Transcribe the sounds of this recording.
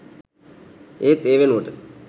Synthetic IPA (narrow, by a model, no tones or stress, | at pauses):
eːt̪eʋenoʈɨ